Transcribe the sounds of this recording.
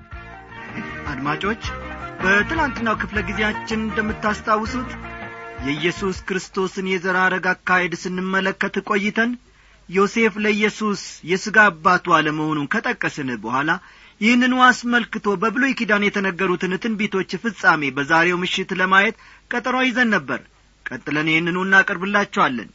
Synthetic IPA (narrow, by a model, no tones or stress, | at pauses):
ʔad̪mat͡ʃʼo̞t͡ʃːbət̪ɨlant̪ɨnːawkʰɨfləɡizejat͡ʃːɪnɨnd̪əmːɨt̪ːast̪ʰawːɨsut̪jɛɨjːɛsuskɨɾɨst̪ʰo̞sɨnjɛzəɾaɾəɡakːajɛd̪sɨnːɨmːələkːət̪ɨkʼo̞jːɪt̪ʰən | jo̞se̞fləɨjːɛsusjɛsɨɡabːat̪waləməho̞nunkʰət̪ʼəkʼːəsɨnɨbəhʷala | jɪhnːɨnuasməlkɨt̪ʰo̞bəbɨlojkid̪anjɛt̪ʰənəɡːəɾut̪ʰɨnɨt̪ʰɨnbe̞t̪ʰo̞t͡ʃːfɨsʼame̞bəzaɾe̞wmɨʃːɪt̪ləmajɛt̪ | kʼət̪ʼɾojɪzənːəbːə̰ɾ | kʼət̪ʼːɨlənjehɨnːɨnuɨnːakʼɨɾbɨlːat͡ʃːɛwalːə̰n